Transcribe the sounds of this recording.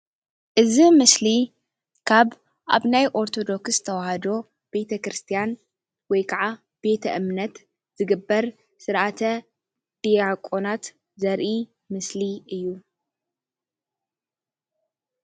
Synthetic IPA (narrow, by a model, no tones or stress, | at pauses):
ʔɨzimɨsli | kʰaβ | ʔa̰βnajʔo̞ɾt̪ʰo̞d̪o̞ksst̪ʰɐwɐhɐd̪o̞ | b̥e̞t̪ʰɐkɾɨst̪ʰijan | wɔjkʰaʕa | b̥e̞t̪ʰɐ̰ʔɨmnɐt̪ | z̥ɨɡɨbːɐɾ | sɨɾʔat̪ʰɐ | d̪̥iakʼo̞nat̪ | zɐɾʔi | mɨsliɨjːu